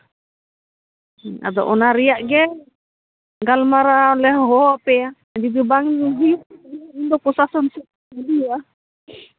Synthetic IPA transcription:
a̰d̪ɔ̰ʔɔnaɾiaʔɡɛ | ɡalmaɾalɛɦɦɔpɛa | ad͡ʒibibaŋd͡ʒiɦiiindɔpɔsasɔnsu | adia

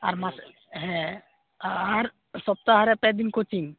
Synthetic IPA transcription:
a̰ɾmas | ɦɛ̃ | aɾ | sɔb̚t̪aɦaɾɛpɛd̪inkot͡ʃiŋ

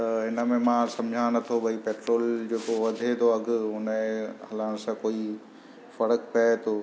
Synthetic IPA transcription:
t̪ɐɪnə̆mẽmãːsɐ̃md͡ʑʱãnɐt̪ʰobʱɐipeːʈɾoːld͡ʑeːkoʋɐd̪ʱet̪ʰoɐɡʊʊnẽɦɐlaːɽ̃sãkoːi | fɐɾəkpat̪ʰoː

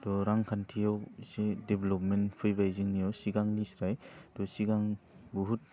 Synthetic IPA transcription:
dɔɾaŋkʰantʰijawsedeblɔpmenpʰɯjbajzɯŋnijawsiɡaŋnisɾajtɔsiɡaŋbuɦut̚

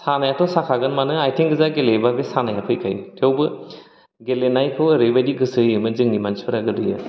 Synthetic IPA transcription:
sanajatʰɔsakʰaɡɯnmanɯajtʰeŋɡɯzaɡelebabesanajapʰɯjkʰajtʰewbɯ | ɡelenajpʰɯwɾejbajdiɡɯsɯɯmɯzɯŋnimanspɯɾaɡɯdɯja

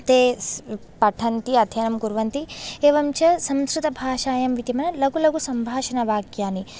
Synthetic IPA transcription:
t̪eː | pɐʈʰɐnt̪iɐt̪ʰjɐnɐmkuɾʋɐnt̪ieːʋɐmt͡ʃɐsɐmskɾɪt̪ɐbʱaːʃaːjɐmʋit̪imɐnɐlɐɡulɐɡusɐmbʱaːʃɐnɐʋaːɡjaːni

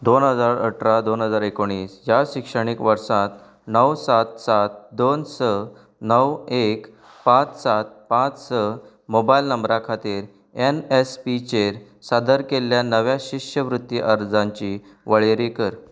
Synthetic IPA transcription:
d̪onɦəd͡zaɾəʈʰɾad̪onɦəd͡zaɾekoɽ̃iːsjaɕikʂəɽ̃ikʋəɾsãt̪ | nəwsat̪̚sat̪̚d̪onsə | nəwek | pãt͡ssat̪̚pãt͡ssə | mobailnəmbɾakʰat̪iːɾ | enespit͡ɕeɾ | sad̪ʱəɾkeljanəʋjaɕikʂjəʋɾut̪ːiʔəɾd͡zãɲt͡ɕiː | ʋəɭeɾikəɾ

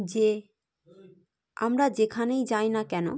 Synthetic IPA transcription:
d͡ʑe | a̰mɾad͡ʑekʰanejd͡ʑajnakɛno̰

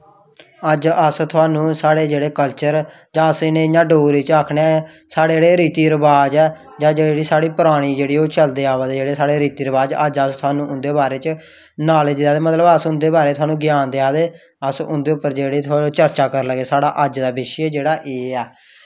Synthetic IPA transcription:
əd͡ʒəst̪ʰʊaːnũːsaːɽeːd͡ʒeːɽeːkəlt͡ʃəɾ | d͡ʒãːəsɪnẽːɪɲãːɖoːɾiːt͡ʃaːkʰɽeː | saːɽeːeːɽeːɾiːt̪iːɾəbaːd͡ʒɛː | d͡ʒãːd͡ʒeːeːɽiːsaːɽiːpɾaːɽ̃iːd͡ʒeːɽiːoːt͡ʃəld̪eːaːʋəd̪ed͡ʒeːɽeːsaːɽeːɾiːt̪iːɾəbaːd͡ʒəd͡ʒəst̪ʰʊaːnũːʊnd̪eːbaːɾeːt͡ʃ | naːleːd͡ʒd̪eaːd̪eːmət̪ləbəsʊnd̪eːbaːɾeːt̪ʰʊaːnũːɡɪjaːnd̪eaːd̪eː | əsʊ̰̃nd̪eːʊpːəɾd͡ʒeːɽeːt̪ʰʊaːot͡ʃəɾt͡ʃaːkəɾləɡeːsaːɽaːʔəd͡ʒd̪aːbɪʃeːd͡ʒeːɽaːʔeːɛː

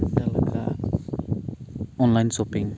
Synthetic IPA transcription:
t̪alaka̰ | ɔnlajnsopiŋ

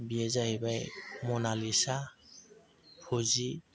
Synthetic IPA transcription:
biɛzaɦibajmɔnalisa | pʰozi

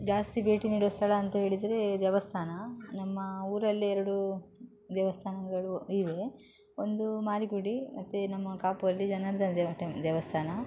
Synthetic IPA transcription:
d͡ʒaːst̪ibe̞ːʈiniːɽiost̪ʰɐɭɐːnt̪ɐɦe̞ːɭid̪ɐɾe̞d̪ɛʋɐst̪ʰaːnɐnɐmːɐuːɾɐlːiɛɾɐɽu | d̪ɛːʋɐst̪ʰaːnɐɡɐɭuiʋe̞ | ond̪umaːɾiɡuɽimɐt̪ːunɐmːɐkaːpuʋɐlːid͡ʒɐnɐɾɐd̪ɐnd̪d̪ɛʋɐst̪ʰaːnɐ

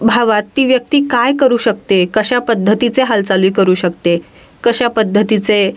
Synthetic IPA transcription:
bʱaʋat̪ːiːʋjək̚t̪iːkajkəɾuːɕək̚t̪ekəɕapəd̪ʱːət̪it͡seɦalt͡saliːkəɾuːɕəkt̪e | kəɕapəd̪ʱːət̪it͡se

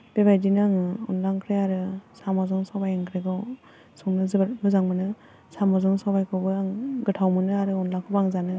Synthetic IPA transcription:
b̥ebajdinaŋɯɔ̰nlaŋkʰɾeaɾɯsamazɯŋsawbajaŋkʰɾeɡɯw | sɔŋnɯzɯbɾmɯzaŋmɯnɯ | samazɯŋsawbajkʰɯbɯaŋɡɯtʰawmɯnɯaɾɯɔnlaŋkʰɯbaŋzanɯ

